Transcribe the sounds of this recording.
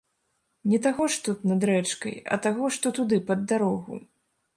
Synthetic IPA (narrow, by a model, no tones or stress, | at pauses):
nʲɛt̪aɣɔʂt̪ut̪nɐd̪ɾɛt͡ʂkɐ̰jɐ̰t̪aɣɔʂt̪ɔt̪ud̪ɨpɐd̪ːaɾɔɣṵ